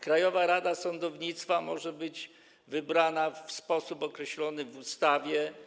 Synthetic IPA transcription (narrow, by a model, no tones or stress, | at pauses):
kɾajɔvaɾad̪asɔnd̪ɔvɲit̪st̪famɔʐɛbɘd͡ʑ | vɘbɾanafspɔsupɔkɾɛɕlɔnɘvust̪avʲjɛ